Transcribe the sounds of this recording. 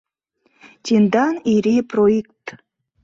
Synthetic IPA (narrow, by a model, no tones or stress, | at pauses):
tʲind̪ɑniɾʲiproekt̪